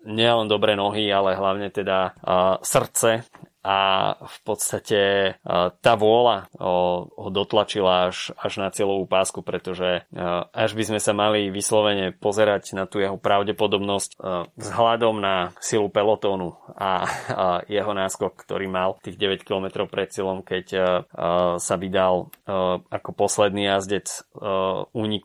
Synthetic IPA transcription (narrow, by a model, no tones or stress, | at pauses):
ɲɪɛɛlɛnd̪ɔbɾɛːnɔɦialɛɦlaʊɲɛt̪ɛd̪asr̩t͡sɛ | afpɔt̪st̪acɛ | t̪aːʋʊɔla | ɦɔd̪ɔt̪lat͡ʃilaaʃaʒnat͡sɪɛlɔʋuːpaːskupɾɛt̪ɔʒɛʔaʒbizmɛsamaliʋislɔʋɛɲɛpɔzɛɾaɟnat̪uːjɛɦɔpɾaʊɟɛpɔd̪ɔbnɔscvzɦlad̪ɔmnasilupɛlɔt̪ɔːnua̰ | jɛɦɔnaːskɔkːt̪ɔ̰ɾiːmalt̪iːɣɟɛʋɛckilɔmɛt̪ɾɔʊpɾɛt̪t͡sɪɛlɔmkɛc | saʋid̪al | ʔakɔpɔslɛd̪niːjazɟɛt͡s | uːɲik